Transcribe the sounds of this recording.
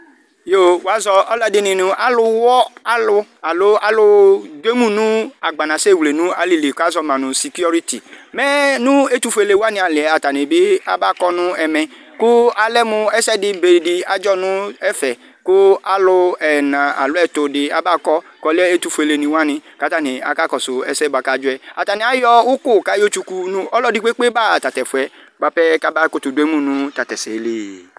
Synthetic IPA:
jo˦˨wa˨˦zɔ˧ɔ˦la˦dɪ˨˦nɪ̃˨nʊ̃˨˧ʔa˦lʊ˧wɔ˦a˦lʊ˧a˨lʊ˦a˦lʊ˧dwe˦mũ˦nũ˦a˨ɡ͡ba˨nã˨se˦˨wle˨nũ˦a˦li˨li˨ka˦zɔ˧mã˨nʊ̃˨si˨ki˦ɔ˦ɾi˦tḭ˨mɛ˦nʊ̃˦e˦tu˦˧fe˨le˨wa˦nɪ̃˦a˨lɪ˨ɛ˨a˨ta˨ne˨bɪ˦a̰˦ba˦˨kɔ˦nʊ̃˦ɛ˨mɛ̃˨ | kʊ˦a˦lɛ˦mʊ̃˧ɛ˦sɛ˦dɪ˧be˨dɪ˨a˨d͡ʒɔ˦nʊ̃˦ɛ˦fɛ˨ | kʊ˦a˦lʊ˧ɛ˨nã˨a̰˨lʊ˨˦ɛ˦˨to˧dɪ˧a˨ba˦kɔ˦ | kɔ˧lɛ˦e˦tu˧fu˧e˧le˨nĩ˧wa˦nɪ̃˧ka˨˦ta˦˨nĩ˨a̰˨ka˦kɔ˨sʊ˨ɛ˨sɛ˦ba˨˧ka˦d͡ʒʊ˦ɛ˦˨a˨ta˨nɪ̃˨a˨˦jɔ˦ʊ˦kʊ˦˨ka˦jo˦t͡ʃu˧ku˧nũ˦ɔ˦lɔ˦di˦k͡pe˦k͡pe˦ba˦˨ta˨tɛ˨fʊ˨ɛ˨ɡ͡ba˧pɛ˦ka˦ba˦ko˦tu˨du˦e˦mũ˦˨nũ˦ta˨tɛ˨se˨le˨

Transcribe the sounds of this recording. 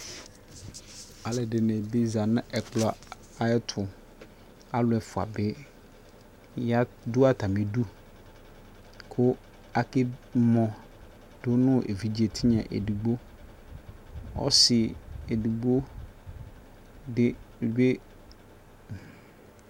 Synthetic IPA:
a˨lɛ˨dɪ˨nẽ˨bɪ˦za˨nʊ̃˦ʔɛ˨klɔ˨ | a˨ɛ˦tʰʊ˨ | a˦lʊ˨ɛ˨fʊ˨a̰˨bɛ˦ | ja˦ | dʊ˦a˦ta˨me˨du˦ | kʰʊ˦ | a˨kɪ˦mɔ̃˨ | dʊ˦nʊ̃˦ʔḛ˨vi˨d͡ʑi˦e˨t̪ʰɪ˦ɲɛ̰̃˨ʔḛ˨du˨ɡ͡bo˦ | ɔ̰˦sɪ˨e˨du˨ɡ͡bo˦ | dɪ˦˨be˦

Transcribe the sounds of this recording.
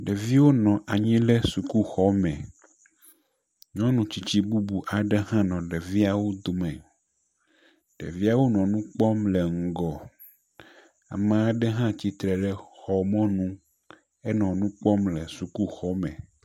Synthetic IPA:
ɖe˨vi˦wo˦nɔ̃˨ʔa˨ɲĩ˦lɛ˦su˨ku˦xɔ˦mɛ̰̃˨ | ɲɔ̃˦nũ˨t͡ɕi˨t͡ɕi˦bu˦bu˨ʔa˨ɖe˦ɦã˦nɔ̃˨ɖe˨vi˦a˨wo˦d̪o˨mɛ̃˨ | ɖ̥ḛ˨vi˦a˦wo˦nɔ̃˨nũ˦k͡pɔ˦mlɛ˨ŋ̩˨ɡɔ˨ | a̰˨mã˦a˨ɖɛ˦ɦã˦t͡ɕi˦t̪ɾɛ˨ɖɛ˦xɔ˨mɔ̃˦nũ˦ | ɛ˦nɔ̃˨nũ˦k͡pɔ˦mlɛ˨su˨ku˦xɔ˦mɛ̰̃˨

